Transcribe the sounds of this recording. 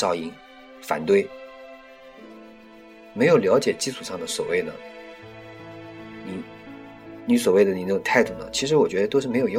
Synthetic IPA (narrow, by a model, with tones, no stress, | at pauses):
ɑ˥˧ʊi˥ŋ | fa̰˨˩nt̪we˥˩ɪ | me˧˥ɪjo˨˩ʊljɑ˧˥ʊt͡ɕjɛ˨˩t͡ɕi˥˧t͡sʰu˨˩ʂɑ˥˩ŋd̪ə˩swɔ̰˨˩we˥˩ɪd̪ə̰˩ | ni˨˩ | ni˧˥s̬wɔ˨˩we˥˩ɪd̪ə˩ni˨˩n˥˩ʊ˨˩ŋt̪ʰa˥˧ɪt̪u˥˩d̪ə̰˩t͡ɕʰi˧˥ʂ̬ɻ̩˧˥wɔ˨˩t͡ɕɥɛ˧˥d̪ə˧t̪o˥ʂ̬ɻ̩˥˩m˧˥jo˨˩j